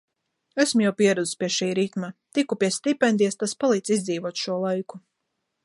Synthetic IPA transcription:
æsmujawpʲiɛɾɛd̪zspʲiɛʃiːɾit̪mat̪ikupʲiɛst̪ipʲɛnd̪iɛst̪aspalˠiːd̪zizd̪ziːvuɔt̪ʃuɔlˠajku̥

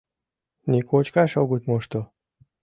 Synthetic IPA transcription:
nikot͡ɕkɑʃoɣut̪ʲmoʃt̪o

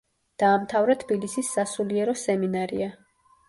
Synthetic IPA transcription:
d̪̥aːmt̪ʰavɾat̪ʰbilisisːasuliɛɾɔsɛminaɾḭa

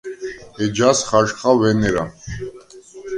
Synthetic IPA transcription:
ɛd͡ʒasχaʃχavɛnɛɾa

